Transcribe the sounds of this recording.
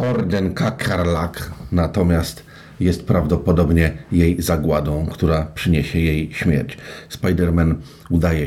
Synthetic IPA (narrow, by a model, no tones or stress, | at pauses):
ɔɾd̪ɛnkakʰaɾlaknat̪ɔmʲjast̪ | jɛst̪̚pɾavd̪ɔpɔd̪ɔbɲɛjejzaɡwad̪ɔ̃w̃kt̪uɾapʂɘɲeɕɛjejɕmʲjɛ̰ɾt͡ɕspajd̪ɛɾmɛn | ud̪ajɛ